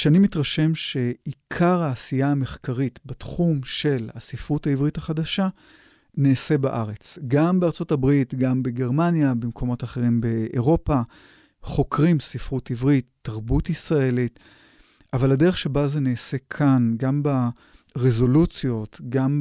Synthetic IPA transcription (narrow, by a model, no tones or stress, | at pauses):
ʃeanimitʁaʃe̞mʃe̞ikʰaʁhaːsijaːme̞χkaʁitbatχumʃe̞lhasifʁutaivʁitaχadaʃa | neːse̞baʔaʁe̞t͡sɡambeaʁt͡so̞tabʁitɡambeɡe̞ʁmanjabimkʰo̞mo̞taχe̞ʁimbe̞ʔːʁo̞pa | χo̞kʁimsifʁutivʁit̪ːaʁbutisʁae̞lit | avalade̞eχʃebazeneːse̞kʰanɡamba | ʁezo̞lut͡sjo̞tɡam